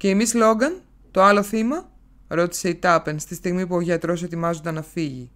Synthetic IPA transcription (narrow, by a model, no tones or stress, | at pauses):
ce̞ːmizlo̞ɡɐn | t̪o̞ɐlo̞θimɐ | ɾo̞t̪i̥se̞it̪ɐpe̞nst̪ist̪iɣmipuoʝɐt̪ɾo̞se̞t̪imɐzo̞nd̪ɐnɐfiʝi